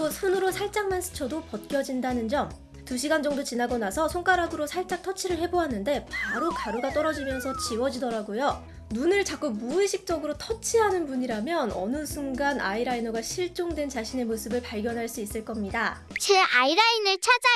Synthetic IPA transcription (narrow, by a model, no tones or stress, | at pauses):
tosʰunɯɾosʰaɭt͡ɕ͈aŋmansʰɯ̥t͡ɕʰʌdopʌt̚k͈jʌd͡ʑindanɯnd͡ʑʌm | tuɕʰiɡand͡ʑʌŋdot͡ɕinaɡʌnasʰʌsʰoŋk͈aɾaɡɯɾosʰaɭt͡ɕ͈ak̚tʰʌt͡ɕʰiɾɯɭhe̞boɦanɯnde̞paaɾokaɾuɡat͈ʌɾʌd͡ʑimjʌnsʰʌt͡ɕiwʌd͡ʑidʌɾaɡojo | nunɯɭt͡ɕak͈uk̚muiɕʰik̚t͡ɕ͈ʌɡɯɾotʰʌt͡ɕʰiɦanɯnpuɲiɾamjʌnʌ̰nɯsʰuŋɡanʔa̰iɾainoɡaɕʰiɭt͡ɕ͈oŋdwe̞nt͡ɕaɕʰine̞mosʰɯbɯɭpaɭɡjʌnɦaɭs͈uis͈ɯɭk͈ʌmɲida | t͡ɕʰeaiɾainɯɭt͡ɕʰad͡ʑa